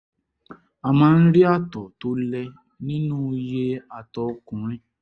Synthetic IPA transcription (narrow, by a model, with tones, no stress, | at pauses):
a˨mãː˨˦˧n̩˦ɾi˦a˦˨tɔ˨to˨˦lɛ˦ | nĩ˦nũ˦˧je˦a˧˨tɔ˨˧kũ˨ɾ̃ĩ˦